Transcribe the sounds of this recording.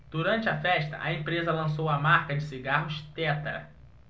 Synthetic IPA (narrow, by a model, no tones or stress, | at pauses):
d̪̥uɾɐ̃nt͡ʃɪɐfɛʃt̪ɐ̰ʔɐẽpɾezɐlɐ̃sowɐmaɾkɐd͡ʒɪsiɡaɦʊʃt̪ɛt̪ɐ̰